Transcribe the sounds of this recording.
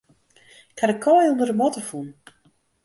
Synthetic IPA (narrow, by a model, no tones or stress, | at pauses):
kʰanəkʰːɔjundərdəmɔtəfun